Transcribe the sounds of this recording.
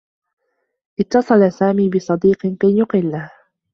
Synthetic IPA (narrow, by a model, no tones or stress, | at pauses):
ʔɪt̪ːɑsˤɑlasaːmiːbɪsˤɑd̪iːqkajjʊqɪlːah